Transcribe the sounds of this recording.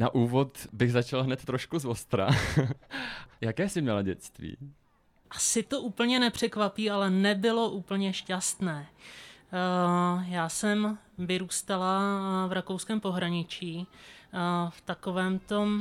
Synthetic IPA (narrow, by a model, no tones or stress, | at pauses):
naʔuːvo̞t̪bɪɣzat͡ʃalɦnɛt̪ːɾoʃkuzost̪ɾa̰ | jakɛːsɪmɲɛlaɟɛt͡st̪vḭː | ʔḁsɪt̪o̞ʔuːpl̩ɲɛnɛpr̝̥ɛkvapiːalɛnɛbɪlo̞ʔuːpl̩ɲɛʃcast̪nɛː | jaːsɛm | vɪɾuːst̪alavɾakowskɛːmpo̞ɦɾaɲɪt͡ʃiː | ft̪ako̞vɛːmt̪o̞m